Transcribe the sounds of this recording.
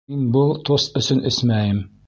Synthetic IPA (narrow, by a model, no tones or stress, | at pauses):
inbɤlˠt̪ost̪ɵ̆sɵnʔɘsmæjɘm